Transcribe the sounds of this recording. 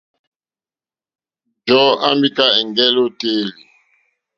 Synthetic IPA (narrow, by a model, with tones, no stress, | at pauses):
d͡ʒɔ˦a̰˦mbi˦ka˦ɛ˨ŋɡɛ˦lo˦te˦li˨